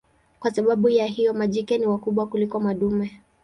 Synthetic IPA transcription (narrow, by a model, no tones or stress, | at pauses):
kwasaɓaɓujaɦijɔmaʄikɛniwakuɓwakulikɔmaɗumɛ